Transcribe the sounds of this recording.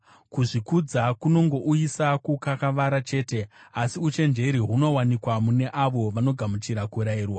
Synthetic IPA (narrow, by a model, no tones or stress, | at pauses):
kuʐikud͡zakuno̞ŋɡo̞ʔuisakukakaʋaɾat͡ʃe̞ːte̞asiut͡ʃe̞nd͡ʒe̞ɾiɦuno̞wanikwamune̞ʔaʋo̞ʋano̞ɡʱamut͡ʃiɾakuɾaiːrwa